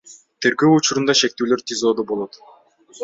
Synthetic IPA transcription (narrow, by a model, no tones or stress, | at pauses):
t̪ʰe̞ɾɡø̞ːut͡ʃuɾund̪ɑʃe̞k̚t̪yːløɾt̪ʲizoːd̪ubo̞lˠo̞t̪